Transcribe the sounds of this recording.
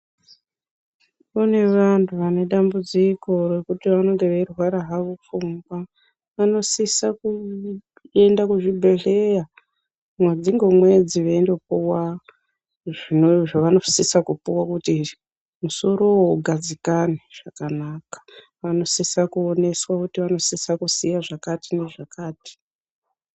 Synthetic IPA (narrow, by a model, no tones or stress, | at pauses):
une̞ʋantʰuʋane̞ɗambud͡ziko̞re̞kutiʋano̞ŋɡe̞ʋerwaɾaɦaʋufuŋɡwa | ʋano̞sisaku | e̞ndakuʐibʱe̞ɮeja | mwed͡ziŋɡomwe̞d͡ziʋeːndopuwa | ʐinoʐaʋano̞̥sisakupuwakuti | muso̞ɾo̞wɡʱad͡zikaneʐ̥akanaːkḁ | ʋano̞sisakuone̞swakutiʋano̞sisakusijaʐakatine̞ʐakaːti̥